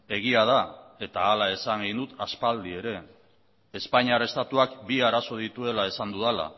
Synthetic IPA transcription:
e̞ɣ̞iaðae̞t̪aːlae̞saŋɡend̪ut̪aspald̪ie̞ɾe̞ | espaɲiare̞st̪at̪uakbiaɾaso̞ð̞it̪ue̞lae̞sand̪uðala̰

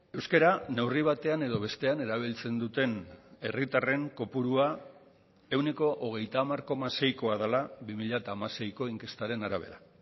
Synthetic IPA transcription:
e̞wskeɾanewriβ̞at̪e̞ane̞ðo̞β̞e̞st̪e̞ane̞ɾaβ̞ilt͡se̞nd̪ut̪e̞ne̞rit̪are̞ŋko̞puɾua | e̞wne̞ko̞ʔoɣ̞e̞jt̪amarkomase̞jko̞að̞alaβimiʎat̪aːmase̞jko̞iŋke̞st̪aɾe̞naɾaβ̞e̞ɾa

